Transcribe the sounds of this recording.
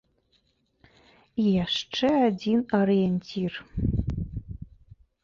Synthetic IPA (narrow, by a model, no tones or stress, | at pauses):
jaʂʈ͡ʂʰɨadinoɾienʲtʲʰir